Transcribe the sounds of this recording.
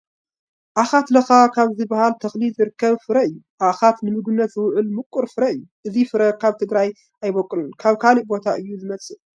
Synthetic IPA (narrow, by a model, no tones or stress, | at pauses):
ʔaxat̪lɐxakʰaβzɨbɐhalt̪ʰɐxlizɨɾɨkʰːɐβfɨɾɐɨjːu | ʔaxat̪nɨmɨɡɨnːɐt̪zɨwʊʕɨlmɨkʷʼːuɾfɨɾɐɨjːuʔɨzifɨɾɐkʰaβt̪ʰɨɡɾaj | ʔajbɐkʼːɨlunkʰaβkʰaliʔbo̞t̪ʰaʔɨjːuzɨmɐt͡sʼɨ